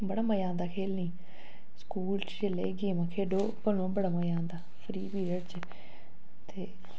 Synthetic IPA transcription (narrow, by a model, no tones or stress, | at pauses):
bəɽaːməjãːnd̪aːkʰeːlnĩː | skuːlt͡ʃt͡ʃelḛːɡeːmãːkʰeːɖoːpəlõːbəɽaːməjãːnd̪aːpʰɾiːbiːɾəɽt͡ʃ | t̪eː